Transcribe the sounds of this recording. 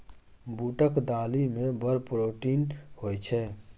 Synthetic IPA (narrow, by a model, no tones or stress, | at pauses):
buʈəkd̪alimebəɾpɾoʈinhojt͡ʃʰɛ